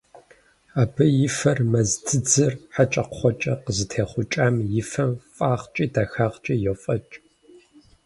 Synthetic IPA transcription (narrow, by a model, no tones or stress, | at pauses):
aːbɨjɪfɐrmɐzdʰɨd͡zɨrħat͡ʃʼɐqχʷɔt͡ʃʼɐqəzɨtʰeːχʷʊt͡ʃʼaːmjɪfɐmfʼaːχt͡ʃʼiːdaːxaːʁt͡ʃʼijofʼɐt͡ʃʼ